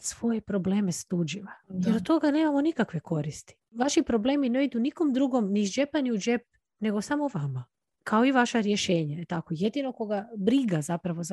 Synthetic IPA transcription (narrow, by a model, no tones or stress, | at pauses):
sʋo̞jepɾo̞bleːmest̪ud͡ʒiʋad̪ot̪o̞ɡane̞ːmamo̞nikakʋe̞ko̞ɾist̪i̥ʋaʃipɾo̞ble̞ːmineid̪uniko̞md̪ɾuɡo̞mnid͡ʒepaniud͡ʒep̚ | ne̞ɡo̞samoʋama | kʰaoiʋaʃaɾjeʃeːɲaet̪akoje̞d̪ino̞ko̞ɡabɾiɡazapɾaʋo̞z